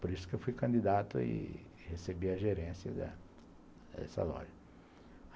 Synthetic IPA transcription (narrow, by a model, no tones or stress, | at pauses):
poɾisʊ̥kewfujkɐ̃d̪id̪at̪ʊɪ̰ | hesebiɐʒeɾẽsjɐd̪ɐ̰ | d̪ɛ̰sɐ̰lɔ̰ʒɐ